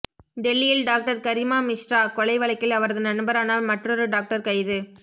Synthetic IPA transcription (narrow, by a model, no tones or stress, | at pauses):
ɖɛlːɪjɪlɖaːk̚ʈɐɾkɐɾɪmaːmɪʂɾaːkɔɭɐɪʋɐɭɐɪkːɪlɐʋɐɾɐðɯnɐnɯbɐɾaːnalmɐʈrɔɾɯɖaːk̚ʈɐɾkɐɪðɯ